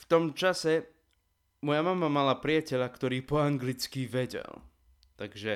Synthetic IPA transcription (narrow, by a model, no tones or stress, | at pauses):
ft̪ɔmt͡ʃasɛ | mɔjamamamalapɾɪacɛʎakt̪ɔɾiːpɔaŋɡlit͡skiʋɛɟɛ̰l | t̪aɡʒɛ